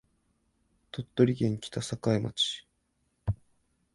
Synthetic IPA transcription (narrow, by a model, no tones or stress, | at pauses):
t̪o̞t̪ːo̞ɾʲiɡẽ̞ŋkʲi̥t̪asakaima̰t͡ɕi̥